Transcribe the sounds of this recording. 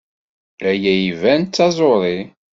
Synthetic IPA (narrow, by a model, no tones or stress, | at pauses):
æjæjivænt̪t͡sːɑzˤoɾˤi